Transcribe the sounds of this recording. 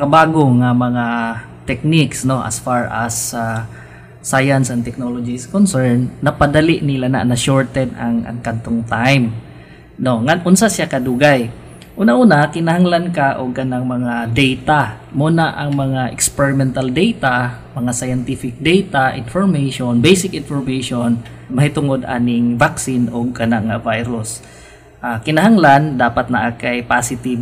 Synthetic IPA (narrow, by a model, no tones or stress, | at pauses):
kɐbaːɡoŋɐmɐŋa | t̪ɛk̚niksno̞ʔɐ̰sfaɹʔasaː | ajansɐnt̪ɛk̚nolod͡ʒiskonsɛɹnːɐpɐd̪ɐliʔnɪlana̰nɐʃoɹt̪ɛd̪ɐ̰ŋɐ̰ŋkɐd̪̚t̪oŋt̪ajm | no̞ŋanʔʊnsasakɐd̪uɡaj | ʔuːnaʔuːnakɪnɐhaŋlankaʔoɡ̚ʔɐnaŋmɐŋad̪ɛjt̪a | muːnaʔɐŋmɐŋaʔɛkspɛɹɪmɛnt̪ɐld̪ɛjt̪a | mɐŋasajɛnt̪ifɪk̚d̪ɛjt̪aʔɪnfoɹmɛjʃonbejsɪkʔɪnfoɹmɛjʃonmɐhɪt̪ʊŋod̪ʔa̰ːnɪŋvaksɪnʔoɡ̚kɐnaŋɐvajɾʊs | ʔaːkɪnɐɦaŋland̪aːpɐt̪̚nɐʔakajpasɪt̪ib